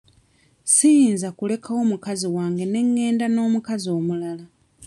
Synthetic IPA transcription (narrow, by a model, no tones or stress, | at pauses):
sijinzakule̞kʰawo̞mukaziwaːŋɡe̞ne̞ŋːe̞ːndano̞ːmukazo̞ːmulala